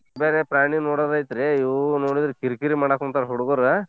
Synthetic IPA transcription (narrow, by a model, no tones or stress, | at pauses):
beːɾepɾaːɳinoːɽad̪ajt̪ɾeinoːɽid̪ɾikiɾkiɾimaːɽakunt̪aɾɦuɽuɡoːɾe